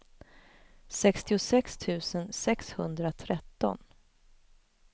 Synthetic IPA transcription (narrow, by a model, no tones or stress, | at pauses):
sɛkst̪ɪʊsɛkst̪ʰʉ̟ːsənsɛkshɵnd̪ɾat̪ʰɾɛt̪ːɔ̰n